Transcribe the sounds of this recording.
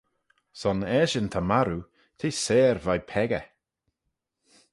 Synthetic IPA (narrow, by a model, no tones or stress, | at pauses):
sɔnɛːʃənt̪ʰamaɾu | t̪ʰiːseːɾvajpʰɛɡə